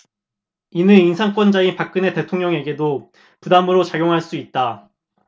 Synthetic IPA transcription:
inɯninsʰaŋk͈wʌnd͡ʑainpak̚k͈ɯne̞te̞tʰoŋɲʌŋe̞ɡedo | pudamɯɾot͡ɕaɡjoŋɦaɭs͈uit̚t͈a

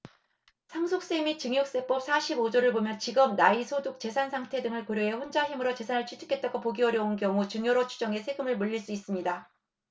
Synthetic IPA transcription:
sʰaŋsʰok̚s͈emit͡ɕɯŋjok̚s͈e̞p͈ʌp̚sʰaɕʰibod͡ʑoɾɯɭbomjʌnt͡ɕiɡʌmnaisʰoduk̚t͡ɕe̞sʰansʰaŋtʰe̞dɯŋɯɭkoɾjoe̞ɸond͡ʑaɦimɯɾot͡ɕe̞sʰanɯɭt͡ɕʰitʰu̥kʰe̞t̚t͈aɡopoɡiʌɾjʌunkjʌŋut͡ɕɯŋjoɾot͡ɕʰu̥d͡ʑʌŋe̞sʰe̞ɡɯmɯɭmuʎːiɭs͈uis͈ɯmɲida

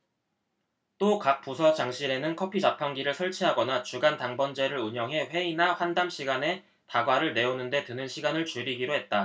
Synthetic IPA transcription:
t͈okak̚p͈usʰʌt͡ɕaŋɕʰiɾe̞nɯnkʰʌpʰid͡ʑapʰaŋɡiɾɯɭsʰʌɭt͡ɕʰiɦaɡʌnat͡ɕuɡantaŋbʌnd͡ʑe̞ɾɯɾuɲʌŋɦe̞ɸwe̞inaɸwandamɕʰiɡane̞ | taɡwaɾɯɭne̞onɯnde̞tɯnɯnɕʰiɡanɯɭt͡ɕuɾiɡiɾoɦe̞t̚t͈a

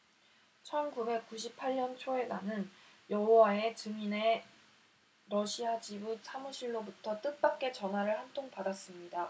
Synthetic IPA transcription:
t͡ɕʰʌnkube̞k̚k͈uɕʰipʰaɭɲʌnt͡ɕʰoe̞nanɯnjʌɦowae̞t͡ɕɯŋine | ɾʌɕʰiat͡ɕibusʰamuɕʰiɭːobutʰʌt͈ɯk̚p͈ak̚k͈e̞t͡ɕʌnɦaɾɯɭhantʰoŋpadas͈ɯmɲida

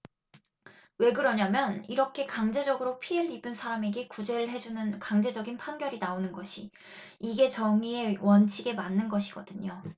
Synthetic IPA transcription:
we̞ɡɯɾʌɲamjʌniɾʌkʰe̞kaŋd͡ʑe̞d͡ʑʌɡɯɾopʰieɭibɯnsʰaɾame̞ɡe̞kud͡ʑe̞ɾɯɭɦe̞d͡ʑunɯnkaŋd͡ʑe̞d͡ʑʌɡinpʰanɡjʌɾinaonɯnɡʌɕʰi | iɡe̞t͡ɕʌŋie̞wʌnt͡ɕʰiɡe̞manːɯnɡʌɕʰiɡ̥ʌdɯɲo

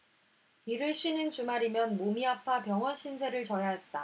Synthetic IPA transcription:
piɾɯɭɕʰɥinɯnt͡ɕumaɾimjʌnmomiapʰapjʌŋɦʌnɕʰinsʰe̞ɾɯɭt͡ɕʌjaɦe̞t̚t͈a

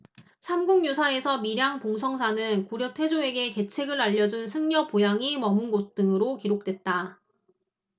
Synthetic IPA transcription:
sʰamɡuŋɲusʰae̞sʰʌmiɾjaŋpoŋs̬ʰʌŋsʰanɯnkuɾjʌk̚tʰwe̞d͡ʑoe̞ɡe̞ke̞t͡ɕʰe̞ɡɯɾaʎːʌd͡ʑunsʰɯŋɲʌpojaŋimʌmɯnɡos̚t͈ɯŋɯɾokiɾok̚t͈we̞t̚t͈a

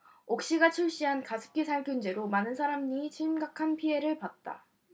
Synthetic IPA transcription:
ok̚ɕ͈iɡat͡ɕʰuɭɕ͈iɦankasʰɯ̥k͈ʰisʰaɭkʰjund͡ʑe̞ɾomanɯnsʰaɾamɲit͡ɕʰimɡakʰanpʰie̞ɾɯɭpat̚t͈a̰

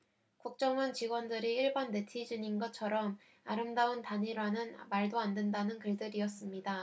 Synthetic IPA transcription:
kuk̚t͡ɕ͈ʌŋʌnt͡ɕiɡwʌndɯɾiːɭbanːe̞tʰid͡ʑuɲinɡʌt͡ɕʰʌɾʌm | aɾɯmdaɯntaɲiɾanɯnmaɭdoande̞ndanɯnkɯɭdɯɾijʌs͈ɯmɲida

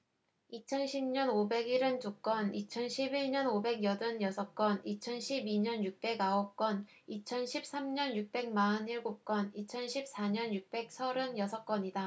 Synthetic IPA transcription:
it͡ɕʰʌnɕʰimɲʌnobe̞ɡiɾɯnd͡ʑuk͈ʌnit͡ɕʰʌnɕʰibiɭɲʌnobe̞ɡjʌdɯnjʌsʰʌk͈wʌnit͡ɕʰʌnɕʰibiɲʌnjuk̚p͈e̞ɡaʌk͈ʌn | it͡ɕʰʌnɕʰip̚s͈amɲʌnjuk̚p͈e̞ŋ̚maɯniɭɡop̚k͈ʌnit͡ɕʰʌnɕʰip̚s͈aɲʌnjuk̚p͈e̞k̚sʰʌɾɯnjʌsʰʌk͈wʌɲida

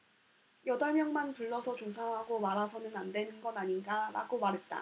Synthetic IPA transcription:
jʌdaɭmjʌŋmantuɭːʌsʰʌt͡ɕosʰaɦaɡomaɾɦasʰʌnɯnandwe̞nɯnɡʌnaɲinɡaɾa̰ɡomaɾɦe̞t̚t͈a̰

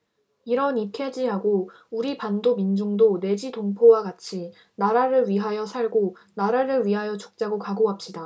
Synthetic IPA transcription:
iɾʌnikʰe̞d͡ʑiɦaɡo | uɾipandomind͡ʑuŋdone̞d͡ʑitoŋpʰowaɡat͡ɕʰi | naɾaɾɯɭɥiɦajʌsʰaɭɡo | naɾaɾɯɭɥiɦajʌt͡ɕo̥k̚t͡ɕ͈aɡokaɡoɦap̚ɕ͈ida

